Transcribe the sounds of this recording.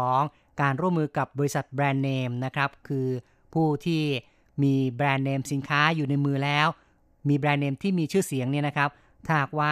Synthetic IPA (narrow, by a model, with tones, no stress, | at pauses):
ɔː˩˦ŋ | kaː˧nɾu˥˩əmːɯː˧ka˨˩p̚bɔː˧ɾi˦˥sa˨˩t̪̚bɾɛː˧nːeː˧mna˦˥kʰɾa˦˥p̚kʰɯː˧ | pʰuː˥˩t̪ʰiː˥˩ | miː˧bɾɛː˧nːeː˧msi˨˩˦nkʰaː˦˥juː˨˩na˧jmɯː˧lɛː˦˥w | miː˧bɾɛː˧nːeː˧mt̪ʰiː˥˩miː˧t͡ɕʰɯː˥˩si˩˦əŋni˥˩ɐna˥kʰɾa˦˥p̚ | t̪ʰaː˥˩˨k̚waː˥˩